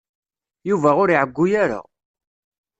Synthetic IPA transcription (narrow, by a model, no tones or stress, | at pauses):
juvæʊɾiʕəɡʷːujaɾa̰